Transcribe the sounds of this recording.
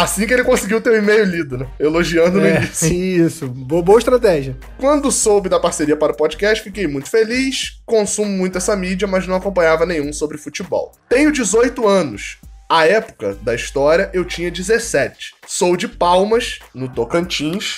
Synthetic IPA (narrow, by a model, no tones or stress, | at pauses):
asĩkɪelɪkõsiɡiwt̪ewʊimejʊlid̪ʊnɛeloʒiɐ̃nd̪ʊʊinisisʊboɐboɐɪʃt̪ɾat̪ɛʒiɐ | kwɐ̃nd̪ʊsowbɪd̪ɐpaɾseɾiɐpaɾʊpɔd͡ʒikɛʃt͡ʃɪ̥fikejmũj̃t̪ʊ̥feliʃkõsũmʊmũj̃t̪ʊɛsɐmid͡ʒiɐmɐznɐ̃w̃akõmpɐ̃ɲavɐnẽj̃ũsobɾɪfut͡ʃibɔ̰wt̪ẽɲʊd͡ʒɪzojt̪ʊɐ̃nʊ̰saɛpʊ̥kɐ̰d̪ɐiʃt̪ɔɾiɐʔewt͡ʃĩɲɐd͡ʒizesɛt͡ʃɪ̥sowd͡ʒɪpawmɐʃnʊt̪okɐ̃t͡ʃĩʃ